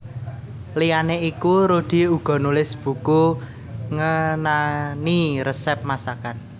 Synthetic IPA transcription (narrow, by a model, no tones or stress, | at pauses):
lijaneikuɾod̪̥i̤uɡ̥ɔ̤nulɪsb̥ṳku | ŋənaniɾəsɛp̚masakan